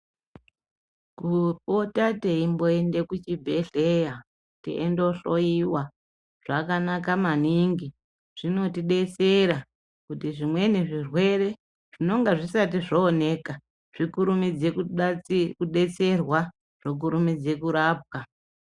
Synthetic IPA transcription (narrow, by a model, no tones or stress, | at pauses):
kupotateimbo̞e̞nde̞kut͡ʃibʱeɬeja | tḭʔḛndo̞ɬo̞iwa | ʐ̥akanakamaniŋɡi | ʐ̥ino̞tiɗe̞t͡se̞ɾa | kutiʐimwe̞niʐirwe̞ɾe̞ | ʐ̥ino̞ŋɡaʐisatiʐoːne̞ka | ʐ̥ikuɾumid͡zekukuɗe̞t͡se̞rwa | ʐ̥ok̬uɾumid͡ze̞kuɾaːp̚wa